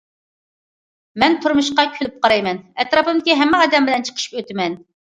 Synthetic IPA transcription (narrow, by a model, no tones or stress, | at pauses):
mɛnt̪ʰuɾmuʃqɑkʲʰylɪp̚qɑɾɑjmɛnɛt̪ɾɑpɨmd̪ɪkʲiɦɛmːɛɑd̪ɛmbɪlɛnt͡ʃʰə̥qʰə̥ʃi̥pøt̪ɪmɛn